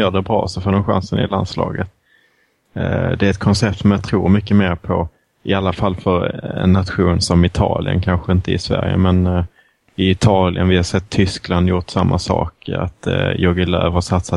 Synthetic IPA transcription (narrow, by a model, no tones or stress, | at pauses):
jœːɖɛbɾɑ̰ːsɛfoːd̪ɛmɧa̰nsənɪland̪slɑ̰ːɡət̪ | d̪ɛæɾɛt̪̚kʰɔnsɛp̚t̪sɔmjat̪ʰɾuːɾmʏkːəmeːɾpʰɔ | ɪalːafalːfœɾɛ̰nːat̪ɧuːnsɔmɪt̪ʰɑːlɪə̰nkʰanɧəɪnt̪əɪsvæ̰ɾjə̰mɛn | ɪɪt̪ʰɑːlɪənvɪhasɛt̪ʰːʏskland̪jʊʈsamːʔasɑ̰ːka̰t̪jɔɡɪlø̰ːvasat̪sa